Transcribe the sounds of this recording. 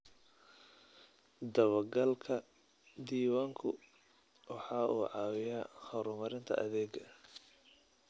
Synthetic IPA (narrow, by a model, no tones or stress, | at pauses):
d̪ɐβɐɡɐlkʰɐ | d̪iːwaːŋkʰʊ̰ | wɑħɑːʔuːʕɑːwɪjaːχɐwɾʊmɐɾɪnt̪ʰɐ̰ʔɐðɛːɡɐ